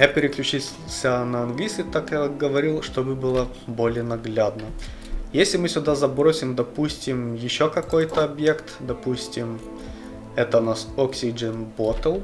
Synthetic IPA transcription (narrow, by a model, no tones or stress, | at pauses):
japʲɪɾʲɪklʲʉt͡ɕil | sʲənəɐnɡlʲiskʲɪt̪akjaɡəvɐɾʲilˠʂt̪obɨbɨlˠə | bo̞lʲɪjənɐɡlʲad̪nə | jesʲlʲɪmɨsʲʊd̪azɐbɾosʲɪmd̪ɐpusʲtʲɪmjɪɕːokɐko̞jt̪əɐbje̞kt̪d̪ɐpusʲtʲɪm | ɛt̪ənasoksʲɪd͡ʐɛnbot̪əlˠ